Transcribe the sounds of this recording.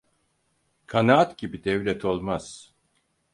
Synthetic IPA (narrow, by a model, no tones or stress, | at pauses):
kʰanaat̪ɟibid̪ɛvlʲɛt̪ʰo̞lˠmaz̥